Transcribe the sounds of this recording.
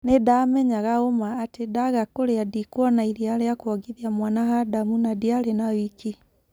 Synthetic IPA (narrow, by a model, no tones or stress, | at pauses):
nedamɛɲaɣaomaːtedaɣakoɾeadikwɔnaiɾiaɾeakwɔɡiðiamwanaɦadamunadiaɾenawiki